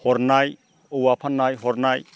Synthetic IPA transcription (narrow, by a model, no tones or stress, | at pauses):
hɔɾnaj | ɔwapʰanːajɦɔɾnaj